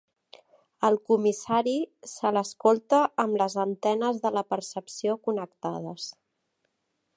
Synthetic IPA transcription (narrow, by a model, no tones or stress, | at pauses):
əlˠkumisaɾisələskolˠt̪əːmləzənt̪ɛnəzðələpəɾsəpsiokunəkt̪að̞əs